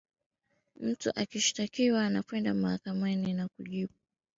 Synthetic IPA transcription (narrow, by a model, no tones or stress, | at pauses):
m̩tuʔakiʃi̥takiwaːnakwɛndamahakamaninakuʄiɓu